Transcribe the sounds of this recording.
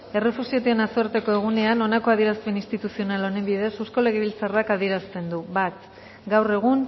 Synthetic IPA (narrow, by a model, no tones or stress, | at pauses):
e̞re̞fusiot̪eenasoeɾt̪e̞ko̞e̞ɣ̞une̞ano̞nako̞aðieɾast̪enist̪it̪usio̞nalo̞nembiðe̞susko̞le̞ɣ̞eβilt͡sarakaðie̞ɾast̪e̞nd̪uβat̪ | ɡawre̞ɣ̞un